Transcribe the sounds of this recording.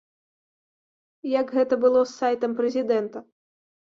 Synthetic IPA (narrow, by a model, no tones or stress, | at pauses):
jɐɡɣɛt̪ɐbɨlˠɔsːajt̪ɐmpɾɛzʲid̪ɛnt̪ɐ